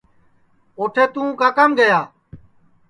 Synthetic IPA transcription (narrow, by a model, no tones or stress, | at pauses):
oːʈʰeːt̪ũːkaːkamɡəjaː